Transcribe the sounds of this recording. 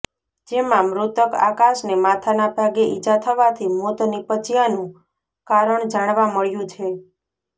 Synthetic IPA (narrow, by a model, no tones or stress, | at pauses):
d͡ʒemãmɾut̪əka̰kaʃnemat̪ʰanabʱaɡeʔid͡ʒat̪ʰəʋat̪ʰimot̪nipət͡ʃijanũ | kaɾəɳd͡ʒaɽ̃ʋaməɭjũt͡ʃʰe